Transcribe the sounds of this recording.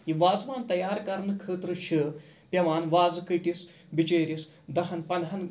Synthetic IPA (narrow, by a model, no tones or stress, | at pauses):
iʋaːzʋaːnt̪ɐjaːɾkɐɾnɨkʰəːt̪ɾɨɕə | pʲɐʋaːnʋaːd͡zkəʈis | bit͡ʃeːɾis | d̪ɐɦɐnpɐnd̪ʱɐn